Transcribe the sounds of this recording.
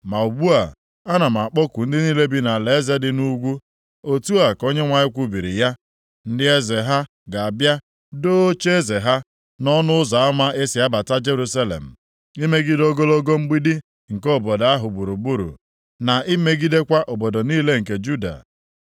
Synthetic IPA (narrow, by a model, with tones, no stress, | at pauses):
ma˨u˨ɡ͡bu˦a˨ | a˦na˨m˨a˨k͡pɔ˦kʷu˨n̩˦dɪ˦niː˦le˦bi˦na˨le˨e˦ze˦dɪ˦nu˦ɡʷu˦ | o˨tu˦a˨ko˦ɲe˦ŋʷa˨ɲɪ˦kʷu˦bi˨ɾḭ˨ja˦ | n̩˦dɪ˦e˦ze˨ɦa˦ | ɡa˨a˨bja˦ | do˦t͡ʃe˦e˦ze˨ɦa˦ | nɔ˦nʊ˦ʊ˦za˨a˦ma˦ʔe˦sɪ˨a˦ba˨ta˦d͡ʒe˦ɾu˦sa˦lḛ˨m̩˨ | i˦me˦ɡi˦do˦ɡo˦lo˦ɡo˦m̩˦ɡ͡bi˦dɪ˦ | ŋ̩˨ko˦˨bɔ˨da˦ɦʊ˨bu˨ɾu˨bu˦ɾṵ˨ | na˨i˦me˦ɡi˦de˦kʷa˦ʔo˨bo˨do˨niː˦le˦ŋ̩˨ke˨d͡ʒu˦da̰˨